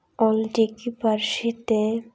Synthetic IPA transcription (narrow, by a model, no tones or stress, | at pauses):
ɔlʈikipaɾʃit̪e